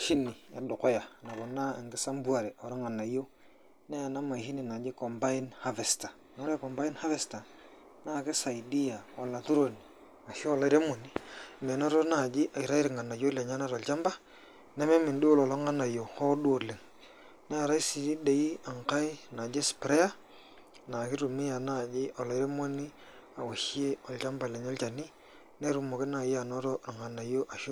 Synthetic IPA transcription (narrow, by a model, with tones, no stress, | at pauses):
ʃi˦ni˨a̰˨dʊ˨ko˦ja˨na˨ko˨na˦˨ŋɡɪ˦sa˦mbu˦a˨ɾe˨o˨ɾo˦ŋa˨nːa˨˦jo˦ | ne˦ja˨na˦ma˨hi˦ni˨na˨d͡ʒi˦ko˨mba˦i˦nha˦ve˨sta˨ | na˨o˦ɾa˦˨kɔ˨mba˦i˦nha˦ve˨sta˨ | na˦˨ke˦sa˨i˨di˦ja˨wa˨la˨tu˦ɾo˨ni˨ | a˨ʃo˦o˦la˦i˦ɾe˦mo˨ni˨˦˨me˨nɔ˦ɾo˦na˦˨d͡ʒi˦ʔa˨i˨ɾa˦i˦ɾi˨ŋa˨na˨jo˦le˨ɲa˦na˦ɾo˨lt͡ʃa˦mba˦ | nɛ˦me˦mɪ˨ndu˦o˦lɔ˨lɔ˦ŋa˦na˨jo˨ho˦ɗu˦o˨le˨ŋ | n˦a˨ɾa˦i˦si˨ɾi˦de˨i˦a˨ŋka˦ɪ˦na˨d͡ʒe˦spɾe˦a˦ | na˨kɪ˦ɾu˨mɪ˦ja˨na˦˨d͡ʒɪ˦ʔɔ˨lɔ˨˦i˦ɾe˦mo˦ni˦ | a˨wa˨ʃi˦e˦ɔ˨lt͡ʃa˦mba˨le˨ɲo˦lt͡ʃa˨ni˦ | ne˦ɾu˦mo˨kɪ˦na˨ja˨nɔ˦ɾɔ˦na˨ŋa˨na˨jo˦ʔa˨ʃ